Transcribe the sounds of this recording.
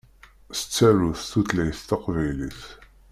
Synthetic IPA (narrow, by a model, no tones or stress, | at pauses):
sə̥t͡sːæɾuθθuθlæjθt̪ɑqvæjliθ